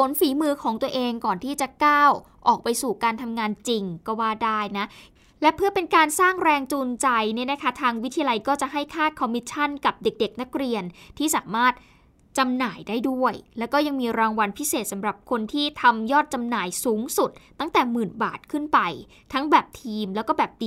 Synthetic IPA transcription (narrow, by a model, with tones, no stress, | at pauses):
pʰo˨˩˦nfiː˩˦mɯː˧kʰɔː˩˦ŋt̪u˧ɐʔeː˧ŋkɔː˨˩nt̪ʰiː˥˩t͡ɕa˨˩kaː˥˩w | ʔɔː˨˩k̚pa˧jsuː˨˩kaː˧nt̪ʰa˧mŋaː˧nt͡ɕi˧ŋkɔː˥˩waː˥˩daː˥˩jna˦˥ | lɛ˦˥pʰɯ˥ɐəpe˧nkaː˧nsaː˥˩ŋɾɛː˧ŋt͡ɕuː˧nt͡ɕa˧jni˥˩ɐna˦˥kʰa˦˥t̪ʰaː˧ŋwi˦˥t̪ʰi˧a˧la˧jkɔː˥˩t͡ɕa˨˩ɦa˥˩jkʰaː˥˩t̪̚kʰɔ˧mːi˦˥t̪̚t͡ɕʰa˥˩nka˨˩p̚de˨˩k̚de˨˩k̚na˦˥k̚ɾi˧ənt̪ʰiː˥˩saː˩˦maː˥˩t̪̚ | t͡ɕa˧mnaː˨˩˦jdaː˥˩jdu˥˩əjlɛ˦˥wkɔː˥˩ja˧ŋmiː˧ɾaː˧ŋwa˧npʰi˦˥seː˨˩t̪̚sa˩˦mɾa˨˩p̚kʰo˧nt̪ʰiː˥˩t̪ʰa˧mjɔː˥˩t̪̚t͡ɕa˧mnaː˨˩jsuː˩˦ŋsu˨˩t̪̚ːa˥˩ŋt̪ɛː˨˩mɯː˨˩nbaː˨˩t̪̚kʰɯ˥˩npa˧j | t̪ʰa˦˥ŋbɛː˨˩p̚t̪ʰiː˧mlɛ˦˥wkɔː˥˩bɛː˨˩p̚di˧